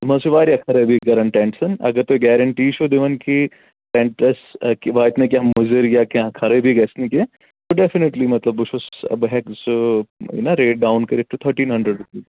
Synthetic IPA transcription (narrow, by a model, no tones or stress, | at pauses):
mɐsuʋaːɾjakʰɐɾɐbʱiɡɐɾɐɳʈɛ̃ɳʈsɐnɐ̰ɡəɾt̪oeɡɛːɾɐɳʈiːʃod̪ɪʋɐnki | ʈẽɳʈɐskiʋaːt̪nek̬jãmʊzəɾjakãkʰɐɾebʱiɡɛsnĩke | t̪oɖefɪneʈlimɐt̪lɐbːʊt͡ʃʰosɐ̰bɦɛksuḭnaɾeːʈ̚ɖaːʊnkɐɾif̚ʈut̪ʰɐɾʈĩːnɦɐ̃ɳɖɾəɖɾupiː